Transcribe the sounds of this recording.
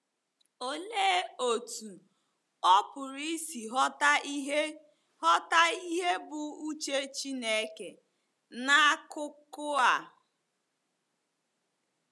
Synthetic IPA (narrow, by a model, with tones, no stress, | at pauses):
o˨leː˦o˨tu˨ | ɔ˦pʊ˨ɾi˦si˨ɦɔ˦ta˦ɦe˦ | hɔ˦ta˦i˦ɦe˦bʊ˨u˦t͡ʃe˦t͡ʃi˦ne˦ke˨ | na˦a˦kʊ˦kʊ˦a˨